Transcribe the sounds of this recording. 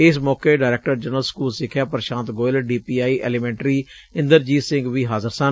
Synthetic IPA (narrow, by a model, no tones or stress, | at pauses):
ɪsmɔːkeːɖaːɾeːk̚ʈəɾd͡ʒənəlskuːlsɪkʰːjaːpɾəʃãːnt̪ɡoːɪlɖiːpiːaːiːʔɛ̰ːlɪmɛ̃ːɳʈɾiː | ɪ̃nd̪əɾd͡ʒiːsɪ̃ŋɡʋiːɦaːzəɾsən